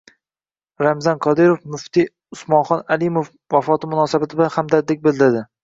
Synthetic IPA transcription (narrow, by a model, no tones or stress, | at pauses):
ɾamzɒnkʰɒd̪ɪɾofnʊft̪ɪ | ʊsmɒnχɒnalɪmof | vafɒt̪ʰɪmʊnɒːsabat̪ʰɪblanhamd̪ad̪ek̚ʲbɪld̪ɪɾd̪ɪ